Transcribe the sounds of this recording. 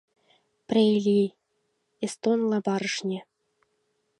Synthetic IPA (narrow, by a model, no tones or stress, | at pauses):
prʲelʲi | est̪onlˠɑbɑɾɤ̆ʂnʲĕ